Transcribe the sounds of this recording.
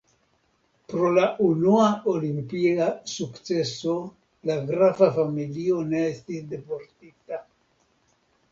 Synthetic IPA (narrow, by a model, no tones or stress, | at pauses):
pɾo̞laʔunuaolimpiasukt͡se̞so̞ | laɡɾavafamilio̞ne̞estisde̞po̞ɾtita